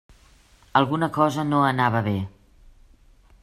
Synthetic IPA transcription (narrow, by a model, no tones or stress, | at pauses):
əlˠɣunəkɔzənoənaβəβe